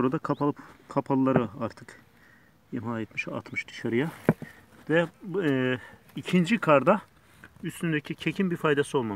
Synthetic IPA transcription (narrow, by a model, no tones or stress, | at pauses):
oɾad̪akʰapaɯpkʰapʰalˠɯlˠaɾɯaɾt̪ʰɯk | jemajet̪miʃa̰t̪mɯʃd̪̥ɯ̥ʃaɾɯja | vɛ | icʰind͡ʒikʰaɾd̪a | yst̪ynd̪ecʰicʰe̞cʰinbiɾfajd̪asio̞lˠmam